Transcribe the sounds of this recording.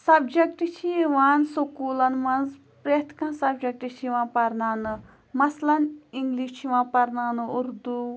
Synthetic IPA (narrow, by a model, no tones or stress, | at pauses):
sɐbd͡ʒɐkʈit͡ʃʰiʋaːnsokuːlɐnmɐnz | pɾeːt̪ʰkãnsɐb̚d͡ʒɐk̚ʈit͡ʃʰiʋãːnpɐɾnaːnɨ | mɐslɐniŋɡliʃt͡ʃʰiʋãːnpɐɾnaːnɨuɾd̪u